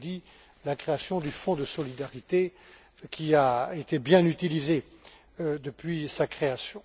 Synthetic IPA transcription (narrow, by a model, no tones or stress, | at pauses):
d̪i | lakχeasjɔ̃d̪yfɔ̃d̪əsɔlid̪aʁit̪e | kʲiaet̪ebjɛ̃nyt̪ilize | d̪əpɥisakχeasjɔ̃